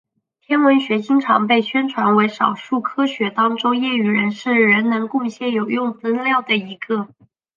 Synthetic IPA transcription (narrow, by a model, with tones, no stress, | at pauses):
t̪ʰjɛ˥nwə˧˥nɕɥɛ˧˥t͡ɕi˥ŋʈ͡ʂʰɑ̰˧˥ŋpe˥˩ɪɕɥɛ˥nʈ͡ʂʰwa˧˥nwe˧˥ɪʂɑ˨˩ʊʂu˥˩kʰɤ˥ɕɥɛ˧˥t̪ɑ˥ŋʈ͡ʂʊ˥ʊjɛ˥˩y˨˩ɻə˧˥nʂɻ̩˥˩ɻə˧˥nnɤ˧˥ŋkʊ˥˧ŋɕjɛ˥˩njo˨˩ʊjʊ˥˩ŋfə˥nljɑ˥˩ʊd̪ə˩i˧˥ɡə˥˧